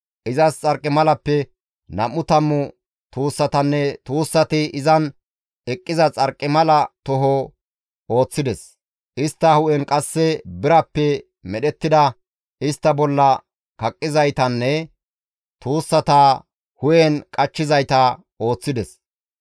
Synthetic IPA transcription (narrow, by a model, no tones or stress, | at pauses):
ʔɪzɐst͡sʼɐɾkʼːɪmɐlɐpːɛ | nɐmʊt̪ɐmːʊ | t̪uːsːɐt̪ɐnːɛt̪uːsːɐt̪ɪʔɪzɐn | ɛkʼːɪzɐt͡sʼɐɾkʼːɪmɐlɐt̪ɔɦɔ | o̞ːt͡sːɪd̪ɛs | ʔɪst̪ːɐhʊʔɛnkʼɐsːɛbɪɾɐpːɛ | mɛɗɛt̪ːɪd̪ɐ | ɪst̪ːɐbɔlːɐ | kɐkʼːɪzɐjt̪ɐnːɛ | t̪uːsːɐt̪ɐ | hʊjɛnkʼɐt͡ʃːɪzɐjt̪ɐ | o̞ːt͡sːɪd̪ɛs